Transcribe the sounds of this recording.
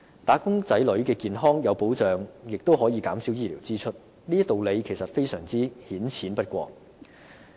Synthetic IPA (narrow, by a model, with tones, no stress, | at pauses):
t̪aː˨˥kʊ˥ŋt͡sɐ˨˥jlɵ˨˥ɥkɛː˧kiː˨nɦɔː˥ŋjɐ˨˧wpo˨˥wt͡sœː˨ŋjɪ˨k̚t̪o˥wɦɔː˨˥jiː˨˧kaː˨˥msi˨˥wjiː˥liː˨˩wt͡siː˥t͡ʃʰɵ˥t̚ | liː˥t̪o˨wle˨˧jkʰe˨˩jsɐ˨t̚fe˥jsœː˨˩ŋt͡siː˥hiː˨˥nt͡sʰiː˨˥npɐ˥t̚kʷɔ̰ː˧k̚